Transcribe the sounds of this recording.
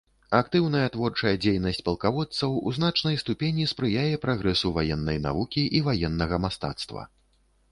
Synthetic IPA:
akt̪ɨwnɐjɐt̪vɔrt͡ʂɐjɛd͡zʲejnɐsʲt͡sʲpɐlˠkavɔt̪sɐwṵzn̪at͡ʂnɐjst̪upʲenʲispɾɨjajɛpɾaɣɾɛsuvajɛnːɐjna̰vukʲiʔivajɛnːɐɣɐmast̪a̰t̪st̪vɐ̰

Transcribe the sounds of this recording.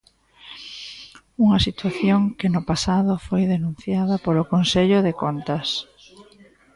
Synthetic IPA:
uŋɐsit̪waθjoŋkɪnʊpasaðʊfojðenũn̟θjað̞ɐpolokonseʎʊðekont̪ɐs

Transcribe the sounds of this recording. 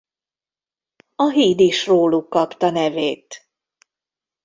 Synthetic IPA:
ɒɦiːd̪iʃroːlukːɒpt̪ɒnɛveːt̪

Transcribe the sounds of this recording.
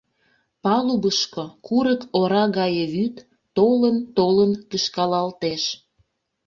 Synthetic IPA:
pɑlubəʃkokuɾəkoɾɑɣɑjəβyt̪ː | olənt̪olənkəʃkɑlɑlt̪eʃ

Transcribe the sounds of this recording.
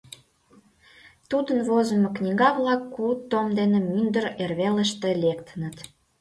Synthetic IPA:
t̪ud̪ənβozə̆moknʲiɡɑβlɑkːut̪ːomd̪enemynd̪əɾerβeləʃt̪ĕlekt̪ənə̆t̪

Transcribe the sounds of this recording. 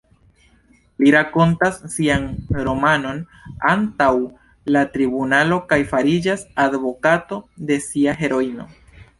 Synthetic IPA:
liɾako̞ntasːianɾo̞mano̞n | antaw | latɾibunalo̞kajfaɾid͡ʒasadvo̞kato̞de̞siaɦe̞ɾo̞ino̞̰

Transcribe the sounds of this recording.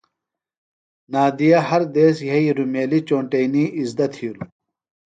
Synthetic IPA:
naːd̪ijɐɦɐɾd̪eːsjɐiɾumeːlit͡ɕoːɳʈejniːʔizd̪ɐt̪ʰiɾu

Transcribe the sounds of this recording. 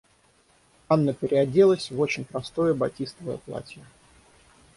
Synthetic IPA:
anːəpʲɪɾʲɪɐdʲelˠəsʲvo̞t͡ɕɪnʲpɾɐst̪o̞jəbɐtʲist̪əvəjə̰plˠa̰tʲjə

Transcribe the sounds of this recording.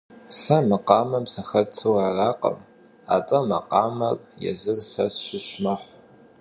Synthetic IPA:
sɐmɐqɑːmɐmsɐxɐt͡sʰuwaːraːqə̰m | a̰ːtʼɐmɐ̰qɑːmɐrjɛ̰zɨrsɐsʃɪʃmɐħʷ

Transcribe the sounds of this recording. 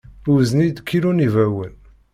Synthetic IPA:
uznid̪kʰːiɾunivæwən

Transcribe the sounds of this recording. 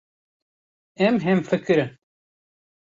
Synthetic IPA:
ɛmɦɛmfɨkɨɾɨn

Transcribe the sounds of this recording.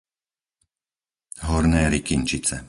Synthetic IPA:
ɦɔɾnɛːɾikint͡ʃit͡sɛ

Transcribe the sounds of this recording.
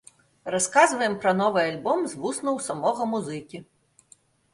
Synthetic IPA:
raskazvɐjɛmpɾɐnɔvɨalʲbɔmzvusnɐwsamɔɣɐmuzɨkʲi

